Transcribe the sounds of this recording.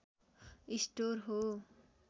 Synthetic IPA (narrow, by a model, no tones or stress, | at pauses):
isʈorɦo